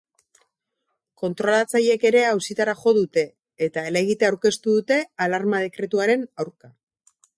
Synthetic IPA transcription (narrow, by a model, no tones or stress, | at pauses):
ko̞nt̪ɾo̞lat͡saje̞ke̞ɾe̞awsit̪aɾaʝo̞ðut̪e̞ː | t̪aeleɣit̪eawɾke̞st̪uðut̪e̞alaɾmað̞e̞kɾe̞t̪uaɾe̞nawɾka